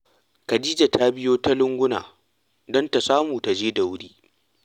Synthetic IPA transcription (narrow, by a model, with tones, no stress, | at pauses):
kɐ˨diː˦d͡ʒa˨tʰa˦bɪ˦joː˦ta˦lʊ˦ŋɡʷʊ˦na̰ː˨ | dɔ˦nta˨saː˦muː˨ta˨d͡ʒeː˦da˨wʊ˦ɽiː˦